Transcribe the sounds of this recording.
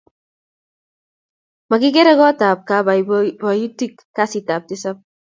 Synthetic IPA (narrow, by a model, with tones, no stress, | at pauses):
ma˨ki˦k̬e˦ɾɛ˦kɔ˦ta˨p̚ka˦ba˨ba˨ju˦ti˦k | ka˦si˨ta˨p̚tɪ˦sa˦p̚